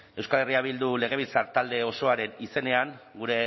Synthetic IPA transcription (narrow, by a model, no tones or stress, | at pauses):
e̞wskaleriaβild̪ule̞ɣ̞e̞β̞ilt͡saɾt̪ald̪e̞o̞so̞aɾe̞nise̞ne̞aŋɡuɾe̞